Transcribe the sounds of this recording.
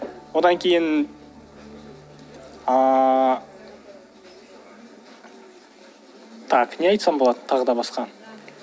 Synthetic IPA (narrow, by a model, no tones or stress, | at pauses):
wo̞d̪ɑŋkʲʰe̞jɪn | t̪ʰɑkneɑjt̪sɑmbo̞lˠɑd̪ət̪ʰɑʁəd̪ɑbɑsqɑn